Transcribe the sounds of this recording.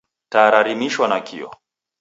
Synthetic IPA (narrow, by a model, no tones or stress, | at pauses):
taɾaɾimiʃwanakʰiɔ̰